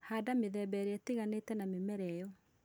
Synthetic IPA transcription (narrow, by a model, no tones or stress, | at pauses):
haːdameðɛbɛɾeɛteɣanetɛnamemɛɾɛjɔ